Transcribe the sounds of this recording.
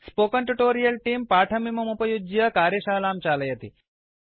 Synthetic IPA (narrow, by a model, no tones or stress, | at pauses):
spokəɳʈuʈoɾijəlʈiːmpaːʈʰɐmimɐmupɐjud͡ʒjɐkaːɾjɐɕaːlaːmt͡ɕaləjɐt̪ḭː